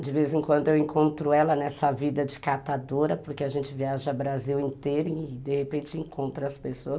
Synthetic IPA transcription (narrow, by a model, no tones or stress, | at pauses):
d͡ʒɪvezẽkwɐ̃nd̪ʊewẽŋkõnt̪ɾʊɛlɐnɛsɐvid̪ɐd͡ʒɪkat̪ad̪oɾɐpoɾkeaʒẽnt͡ʃɪviaʒɐabɾaziwẽnt̪ejɾĩɪd̪ehepẽt͡ʃɪẽkõnt̪ɾɐɐspesoɐ